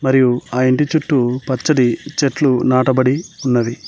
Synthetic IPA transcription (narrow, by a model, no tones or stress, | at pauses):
mɐɾijuaːiɳʈit͡ʃuʈːupɐt͡ʃːɐɽit͡ʃeʈlunaːʈɐbɐɽiunːɐʋi